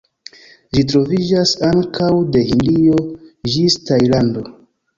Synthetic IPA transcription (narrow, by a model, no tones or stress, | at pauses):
ʒit̬ɾo̞vid͡ʒasaŋkawde̞hindio̞ʒistajlando̞